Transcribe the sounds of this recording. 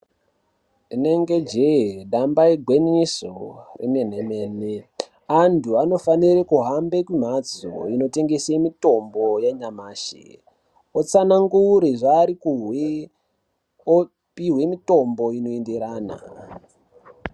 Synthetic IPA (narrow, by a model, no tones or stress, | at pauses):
ine̞ŋɡed͡ʒeɗambaiɡʱwenisorʔḭne̞n̤emeːne | antʰuano̞faniɾekuɦambe̞kwim̤ad͡zo̰ino̞te̞ŋɡesemito̞mbo̞jaɲamaːʃḛ | ot͡sanaŋɡuɾiʐaːɾikuɦwe | o | piɦwe̞mito̞mbo̞ino̞endeɾaːna̰